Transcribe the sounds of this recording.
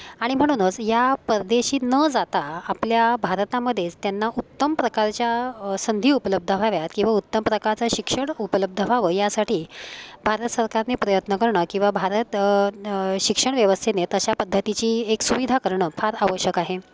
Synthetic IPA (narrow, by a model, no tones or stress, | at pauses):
aɽ̃im̤əɽ̃unət͡sjapəɾd̪eɕiːnəd͡zat̪aːpljabʱaɾt̪aməd̪ʱːjet͡st̪janːaʔut̪ːəmpɾəkaɾt͡ɕjasənd̪ʱiːupələb̚d̪ʱəbʱaʋjat̪kĩw̃ʋaut̪ːəmpɾəkaɾt͡saɕikʂəɳupələb̚d̪ʱəbʱaʋəjasaʈʰiːbʱaɾət̪səɾkaɾnepɾəjət̪nəkəɾɳəkĩw̃ʋabʱaɾət̪ | ɕikʂəɳʋjəʋəst̪ʰenet̪əɕapəd̪ʱːət̪it͡ɕiːeksuʋid̪ʱakəɾɳəːfʰaɾaʋəɕjəkaɦe